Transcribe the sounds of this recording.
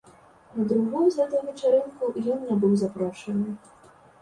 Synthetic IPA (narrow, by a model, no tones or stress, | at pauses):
nɐd̪ɾuɣɔjuzɣɛt̪ɐjuvʲɛt͡ʂaɾɛnkujɔnːʲɛbɨwzapɾɔʂɐnɨ